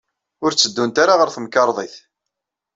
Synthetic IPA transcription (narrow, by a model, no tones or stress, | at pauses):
ʊɾt͡sːəd̪ːunt̪aɾaʁəɾθəmkːɑɾˤðˤiθ